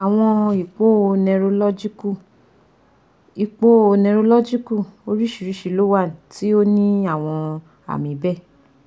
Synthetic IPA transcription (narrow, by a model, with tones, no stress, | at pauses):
a˨w̃ɔ̃˧i˨k͡po˦˧nɛ̃˧ɾo˧lɔ˦d͡ʒi˦ku˦˨ | i˨k͡po˦o˧nɛ̃˧ɾo˧lɔ˦d͡ʒi˦ku˦˨o˧ɾi˦ʃi˨ɾi˨˦ʃi˧˨lo˦wa˦˨n˨ti˦o˦nĩ˦a˦˨w̃ɔ̃˧ | a̰˨mĩ˨˦bɛ˦˨